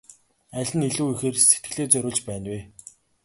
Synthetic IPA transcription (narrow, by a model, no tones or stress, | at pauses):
æɮʲɘ̆niɮuːixeːrset̪̚ɡɘ̆ɮeːt͡sœɾʲʊːɮt͡ɕpæːnweː